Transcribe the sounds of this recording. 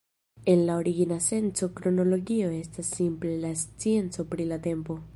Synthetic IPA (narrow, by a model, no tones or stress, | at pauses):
e̞nlao̞ɾiɡinase̞nt͡so̞kɾo̞no̞lo̞ɡio̞e̞stasːimple̞last͡sie̞nt͡so̞pɾilate̞mpo̞